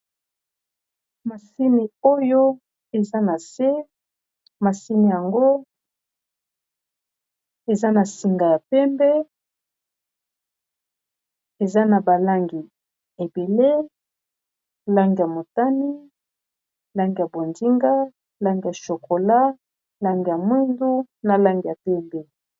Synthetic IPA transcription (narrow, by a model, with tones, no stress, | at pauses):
ma˨si˦ni˨o˦jo˦ | e˨za˦na˨se˦ | ma˨si˦ni˨ja˨ŋɡo˦ | e˨za˦na˨si˨ŋɡa˨ja˨pɛ˦mbɛ˦ | e˨za˦na˨ba˨la˦ŋɡi˨ | e˨be˨le˦ | la˦ŋɡi˨ja˨mo˨ta˦ni˦ | la˦ŋɡi˨ja˨bo˨ndi˦ŋɡa˦ | la˦ŋɡi˨ja˨ʃo˨ko˨la˦ | la˦ŋɡi˨ja˨mwi˦ndu˦na˨la˦ŋɡi˨ja˨pɛ˦mbɛ˦